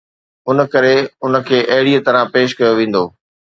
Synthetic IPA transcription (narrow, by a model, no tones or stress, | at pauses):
ʊnəkɐɾeʊnə̆kʰeːʔɐɦɪɽijət̪ɐɾãpeːʃkɐjoʋẽːn̆d̪oː